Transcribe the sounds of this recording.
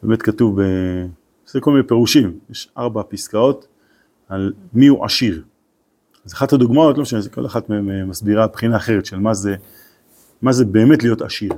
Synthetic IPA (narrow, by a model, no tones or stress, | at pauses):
beːmetkatuvbe | sekolminepeʁuʃimjeʃaʁbapiskao̞t | almiuʔa̰ʃiʁ | azaχadhaduɡmao̞tlomʃaniko̞laχatmememasbiʁapχinaːχe̞ʁetʃelmaze | mazebe̞ːme̞tlijo̞ta̰ʃiʁ